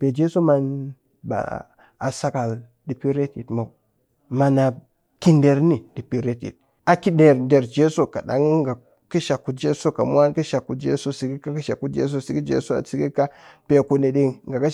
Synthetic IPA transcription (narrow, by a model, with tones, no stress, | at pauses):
pe˨d͡ʒe˦so˦ma˨n | ba̰˨ | a˨sa˦ka˨l | di˨pi˦ɾe˦ti˨tma˨w | ma˨na˨ | ki˦nde˨ɾni˨di˨pi˦ɾe˦tḭ˨t̚ | a˨ki˦de˨ɾde˨ɾd͡ʒe˦so˦˨ka̰˨da̰˨ŋ˦ŋɡa˨ | ki˦ʃa˨kːu˨t̚d͡ʒe˦so˦ka˨mʷ˦a˦nki˦ʃa˨kːu˨t̚d͡ʒḛ˦so˦si˨ɡi˦ka˦ki˦ʃa˨kːu˦d͡ʒḛ˦s̬o˦si˨ɡi˦d͡ʒḛ˦so˦a̰˨si˦ɡi˦ka˦pe˨ku˨ne˨di˦ŋŋɡa˨ka˦